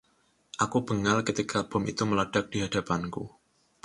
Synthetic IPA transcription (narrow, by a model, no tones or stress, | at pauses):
ʔakub̥əŋalkət̪ikʰab̥ɔ̤mʔit̪uməlad̥ak̚d̥iɦad̥apankṵ